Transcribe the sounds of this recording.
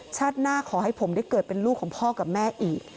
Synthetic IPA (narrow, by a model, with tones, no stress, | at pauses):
t͡ɕʰaː˥˩t̪̚naː˥˩kʰɔː˩˦ɦa˥˩jpʰo˩˦mda˥˩jkɤː˨˩t̪̚pe˧nluː˥˩kʰːɔː˩˦ŋpʰɔː˥˩ka˨˩p̚mɛː˥˩ʔiː˨˩k̚